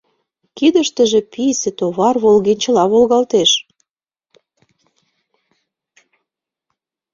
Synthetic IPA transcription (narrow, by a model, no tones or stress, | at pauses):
kid̪əʃt̪ə̆ʒĕpisĕt̪oβɑrβolɣenʲt͡ɕə̆lɑβolɣɑlt̪eʃ